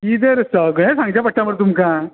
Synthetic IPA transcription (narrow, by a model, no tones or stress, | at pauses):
id̪əɾsəɡɭ̃ẽsãŋɡd͡ʑjapəʈːaməɽt̪̬umka